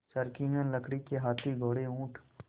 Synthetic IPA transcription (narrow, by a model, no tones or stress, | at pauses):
səɾkɪ̃ŋɡə̃nləkɽikeɦaːt̪ʰiɡʱoːɽeũːʈʰ